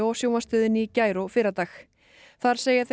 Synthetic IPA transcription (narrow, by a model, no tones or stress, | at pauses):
ɔwsjowmast̪ʏːðɪnicaːjɾofɪːɾat̪aːx | θaɾ̥seːjaθ